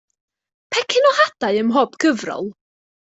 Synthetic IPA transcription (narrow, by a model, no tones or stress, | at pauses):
pʰɛkʰɪnɔhad̥aɨəmɦɔbɡəvrɔ̰lˠ